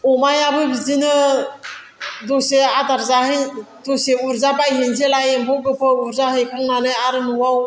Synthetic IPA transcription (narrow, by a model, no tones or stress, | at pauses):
ɔmajabɯbizinɯ | dɔseadaɾzahɯj | dɔseuɾzabajɦenzelajembɔwɡɯpʰɯuɾzaɦɯjkʰaŋnanɯaɾɯnuwaw